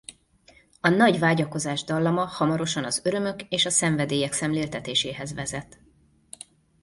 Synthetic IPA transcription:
ɒnɒɟʋaːɟɒko̞zaːʒd̪ɒlːɒmɒhɒmɒɾo̞ʃɒnɒzøɾø̞mø̞keːʃɒsɛɱvɛd̪eːjɛksɛmleːlt̪ɛt̪eːʃeːɦɛzvɛzɛt̪

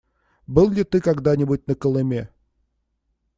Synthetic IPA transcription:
bɨlˠlʲɪt̪ɨkaɡd̪anʲɪbut̚ʲnəkəlˠɨmʲe

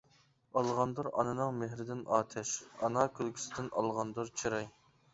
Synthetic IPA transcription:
ɑlˠʁɑnd̪ɨɾɑ̰nɨnɨŋmeɦɾɪd̪ɪnʔɑːt̪ʰɛʃɑnɑkʲʰølˠkʲʰy̥sɪd̪ɪnʔɑ̰lˠʁɑnd̪ɨɾt͡ʃʰiɾɑj

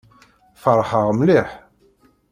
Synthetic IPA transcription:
fəɾˤħəʁmliħ

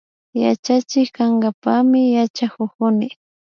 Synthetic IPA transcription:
ja̰t͡ʃat͡ʃɪkkaŋɡapamɪjat͡ʃakʊkʊnɪ

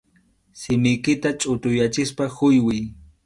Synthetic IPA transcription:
sɪmɪjkɪt̪at͡ʃʼʊt̪ʊjat͡ʃɪspaxʊjwɪj

